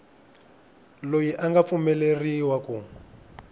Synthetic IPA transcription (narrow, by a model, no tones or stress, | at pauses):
lojiʔaŋɡap̪fumɛleriwaku